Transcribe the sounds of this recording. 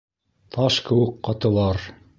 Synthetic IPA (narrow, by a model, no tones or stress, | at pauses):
t̪ʰɑʃkɘ̆wɘqːɑt̪ɤ̆lˠɑɾ